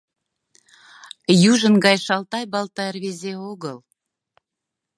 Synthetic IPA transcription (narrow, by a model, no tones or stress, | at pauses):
juʒə̆nɡɑjʃɑlˠt̪ɑjbɑlˠt̪ɑərβezeoɣəl